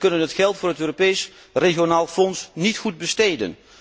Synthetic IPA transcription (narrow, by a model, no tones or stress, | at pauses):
kɵnənɦətχɛlˠtfʊːrɦətøːropejs | reɣionaːlˠfɔnsnitχud̚bəstejdə̰n